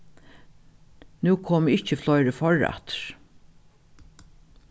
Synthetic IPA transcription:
nuːkʰoːmɪht͡ʃəflɔjɾəfɔɹa̰t̪ɹ̥

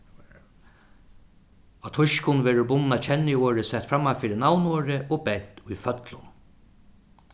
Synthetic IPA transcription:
at̪ʰʊʃkʊnʋɛːɾʊɾbʊnːat͡ʃʰɛnːɪoːɾɪsɛt̪fɾamːafiːɾɪnawnoːɾɪʔɔbɛn̥t̪ʊjfœt̪lʊn

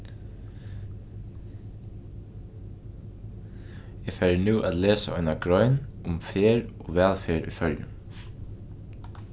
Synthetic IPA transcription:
jɛːfæɪɾənʉːʔaːd̪leːsa̰ʔɔʏnɑɡɹɔʏnʊmfeːɹoːʋæːlfeːɹʔṵːfœljə̰

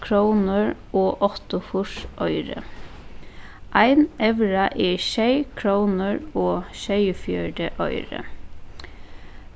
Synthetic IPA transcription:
kʰɹoʊnəɹʔoːʔɔt̪ʊfʊʃʔœʏɾə̰ | ʔæɪnʔɛʋɹɑʔeːʃeɪkʰɹoʊnəɹoːʃeɪfjœɖəʔœ̰ʏɾə̰

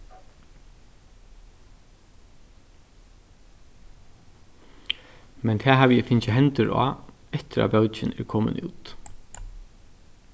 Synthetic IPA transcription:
mɛnt̪ʰɛːɦaːʋjɛfɪnt͡ɕɪɦɛnt̪ʏɾa̰ː | ɛht̪ɪɾa̰bœwt͡ʃɪnɛ̰ɾkʰɔːmə̰nṵːt̪

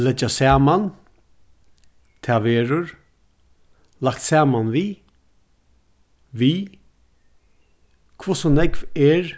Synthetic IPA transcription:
lɛd͡ʒasæːman | t̪ʰaːʋeːɾʊɹ | lak̚t̪sɛːmanvi | ʋi | kʰvosɔnɛɡvɛɹ

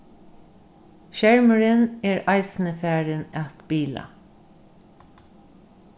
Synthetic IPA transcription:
ʃæɹməɹəneːɹɑɪsn̩əfæːɹənɑt̪biːlɑ̰

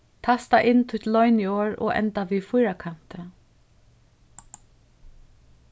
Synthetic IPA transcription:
t̪ʰast̪aʔɪnːt̪ʰʊjt̪lɔʏnioːɹɔ̰ːɛ̰nt̪aʋiːðfʊjɾakʰan̥t̪ə

